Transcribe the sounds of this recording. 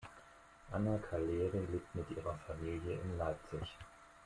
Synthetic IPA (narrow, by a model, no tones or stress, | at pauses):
ʔanakʰaleːʁiliːk̚tmɪtʔiːʁɐfamiːljəɪnlaɪp̚t͡sɪç